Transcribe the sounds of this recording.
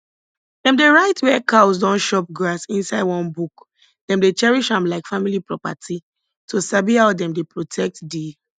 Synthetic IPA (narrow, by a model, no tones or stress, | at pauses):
dɛ̃mdeɹaɪtwɛkaws̬dɔ̃nʃɔp̚ɡɹasĩnsaɪdwɔ̃nbuk | d̥ɛ̃mdet͡ʃɛɹiʃãmlaɪkfamilipɹɔpa̰tʰi | tʰosabiɦaʊdɛ̃mdepɹotʰɛk̚tde